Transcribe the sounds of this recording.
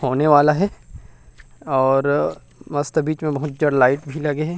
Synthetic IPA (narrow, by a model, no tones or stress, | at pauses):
hoːneʋaːlaɦɛ | ɔːɾ | mɐst̪əbiːt͡ʃmẽbɐɦʊt̪̚d͡ʒɐɽlaːɪʈbʱilɐɡeɦɛ̃ː